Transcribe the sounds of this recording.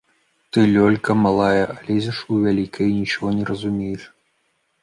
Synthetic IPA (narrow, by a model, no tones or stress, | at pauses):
t̪ɨlʲɔlʲkɐmalˠajɐʔalʲezʲɛʂuvʲalʲikʰɐjnʲit͡ʃɔɣɔnʲɛɾɐzumʲejɛʂ